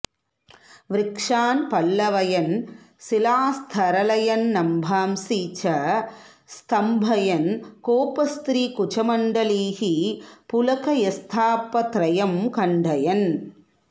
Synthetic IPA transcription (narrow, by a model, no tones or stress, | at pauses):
ʋɾɪkʂaːnpɐlːɐʋɐjɐn | sɪlaːst̪ʰɐɾɐlɐjɐnnɐmbʱaːmsiːt͡ʃɐ | st̪ʰɐmbʱɐjɐnkoːpɐst̪ɾiːkʊt͡ʃɐmɐɳɖɐliːhipʊlɐkɐjɐst̪ʰaːpːɐt̪ɾɐjɐmkɐɳɖʱɐjɐn